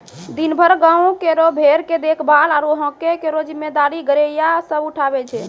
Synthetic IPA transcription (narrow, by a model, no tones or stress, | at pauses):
d̪inbʱəɾɡãũkeɾobʱeɾked̪ekʰbalaɾoɦə̃kekeɾod͡ʒimed̪aɾiɡəɾejasəbuʈʰabɛt͡ʃʰɛ